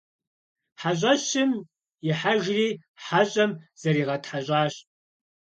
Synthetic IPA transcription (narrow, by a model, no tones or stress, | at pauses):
ħaʑʷʼɐɕɪm | jɪħaʒriːħaɕʼɐmz̥ɐriːʁɐtħaʑʷʼaːɕʼ